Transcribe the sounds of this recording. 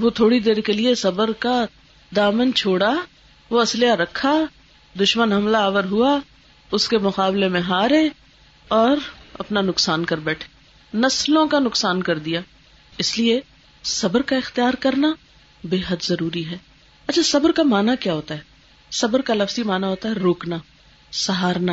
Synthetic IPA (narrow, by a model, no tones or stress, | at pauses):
ʋot̪ʰoːɽid̪eːɾkeliesɐbəɾka | d̪aːmənt͡ʃʰoːɽa | ʋoɐslejaɾɐkʰːa | d̪ʊʃmənɦɐmlaːʋəɾɦua | ʊskemʊqaːblemẽɦaːɾe | ɔːɾɐ̰pnanʊksaːnkɐɾbɛːʈʰe̥ː | nɐslõkanʊksaːnkɐɾd̪ijaː | ɪslie | sɐbəɾkaɪxt̪ijaːɾkɐɾna | beːɦəd̪zɐɾuːɾiɦɛː | ɐtːt͡ʃʰasɐbəɾkamaːnakjaːɦoːt̪aɦɛː | sɐbəɾkalɐfzimaːnaɦoːt̪aɦɛɾoːkna | sɐɦaːɾna